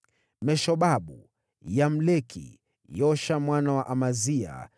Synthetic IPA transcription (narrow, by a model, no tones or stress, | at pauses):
mɛʃɔɓaɓu | jam̩lɛkʰḭ | jɔʃamwanawaʔamazia̰